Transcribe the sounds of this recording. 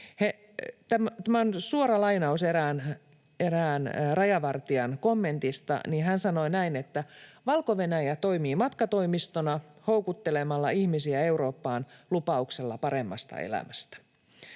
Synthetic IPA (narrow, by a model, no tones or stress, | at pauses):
he | t̪æmt̪æmæonsuoɾɑlɑinɑuseɾæːn | eɾæːnrɑjɑʋɑrt̪iɑnkomːe̞nt̪ist̪ɑ̰ninhænsɑnoinæinet̪ːæʋɑlkoʋe̞næjæt̪o̞imiːmɑt̪kɑt̪o̞imist̪onɑho̞ukut̪ːelemɑlːɑihmisiæe̞uɾo̞ːpːɑːnlupɑukselːɑpɑɾemːɑ̰st̪ɑ̰ḛlæ̰mæst̪æ̥